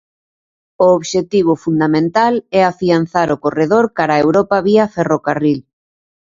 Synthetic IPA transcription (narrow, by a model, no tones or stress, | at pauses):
ooβʃet̪iβ̞ʊfund̪amẽnt̪alɛafian̟θaɾʊkoreðoɾkaɾaewɾɔpaβiafɛrokaril